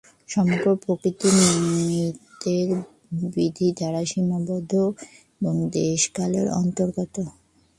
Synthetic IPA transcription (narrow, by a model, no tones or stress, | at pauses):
ʃɔmoɡɾopɾokɾit̪ininid̪eɾ | bɾid̪ʱid̪ʱaɾaʃimabɔd̪ʱːoeboŋd̪eʃkalḛɾɔ̰nt̪oɾɡɔt̪o